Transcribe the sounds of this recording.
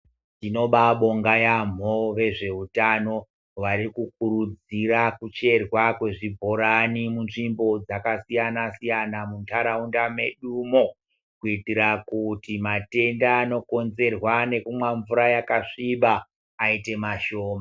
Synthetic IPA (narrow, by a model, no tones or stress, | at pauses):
tino̞ɓaɓo̞ŋɡajam̤oʋe̞ʐe̞utano̞ | ʋaɾikuk̚uɾud͡ziɾakut͡ʃe̞rwakwe̞ʐibʱo̞ɾanimunʐimbo̞d͡zakasijanasijanamuntʰaɾaundame̞ɗumo̞ | kuitiɾakutimate̞ndaːno̞ko̞nze̞rwane̞kumwaɱvuɾajakaʂiɓaː | ite̞maʃo̞ːma